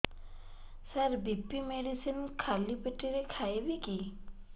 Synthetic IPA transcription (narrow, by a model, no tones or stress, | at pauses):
sɐɾbipːimeɖisinkʰalipeʈːiɾekʰajbiki